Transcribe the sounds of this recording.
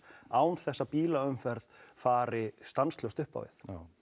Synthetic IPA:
aːwnθɛsːapiːlaʏmfɛɾðfaːɾɪst̪anslowst̪ʏhpa̰wvɪ̰θ

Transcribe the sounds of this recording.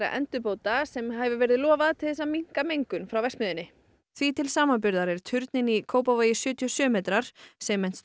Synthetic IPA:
ɾa̰ʔɛ̰nt̪ʏpowt̪asɛmɦavʏvɛːɾɪðɪlɔːvaðt̪ʰɪlθɛsamiŋ̥kamejŋkʏnfɾawvɛsmɪðɪnːɪ | θvit̪ʰɪlsaːmanpʏɾðaɾɛɾ̥t̪ʰʏɾt̪nɪnikʰoːwpavaːjɪsjʏːt̪ʰiɔsjœːmeːt̪ɾaɾ̥sɛmːɛjn̥s

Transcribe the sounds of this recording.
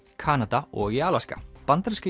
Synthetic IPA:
kʰaːnat̪aɔɣiaːlaska̰pant̪ɾska

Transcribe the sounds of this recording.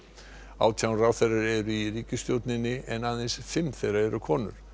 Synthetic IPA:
a̰ːwt̪ʰjawnraːwθɛjraɾɛɾʏiriːcʏst̪jowt̪nɪnːɪɛnaðejnsfɪmθejraɛɾʏkʰɔːnʏ̰ɾ̥

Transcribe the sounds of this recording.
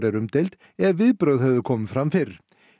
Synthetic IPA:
ɾɛɾʏmt̪ʰejlt̪ | ɛðvɪðpɾœwðhɛvðʏkʰɔːmfɾamfɪɾ

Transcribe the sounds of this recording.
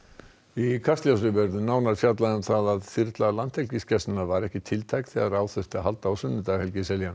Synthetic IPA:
ikʰast̪ljawsʏvɛɾðʏnaːwnaɾ̥fjat̪̬laðʏmθaðaðfiɾt̪lalant̪ʰhɛlcɪscɛst̪navaɾɛhcɪt̪ʰɪlt̪ʰajkθiaraːwθœst̪ɪaɦalt̪aːwsʏnːʏt̪aɣhɛlcɪsɛljan

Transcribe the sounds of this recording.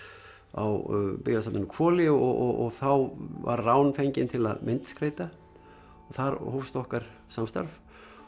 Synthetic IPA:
a̰wpɪɣlasapnɪnːkʰvɔːlɪɔɣɔɣɔɣθawva̰ɾrawnfɛɲcɪnt̪ʰɪla̰ðmʔɪnt̪skɾeːjt̪a | θaɾhoːfst̪ɔhkaɾ̥ | samst̪a̰ɾf

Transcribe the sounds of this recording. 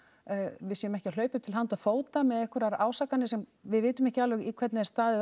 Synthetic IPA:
vɪsɛmɛhcɪawl̥œːɥpʏmt̪ɪlɦant̪afoːwt̪amɛðɛhkʏɾaɾaːwsakanɪsɛmvɪðvɪːt̪ʏmɛhcɪalvʏɣikʰvɛɾt̪nɪðɛɾst̪aːðɪ

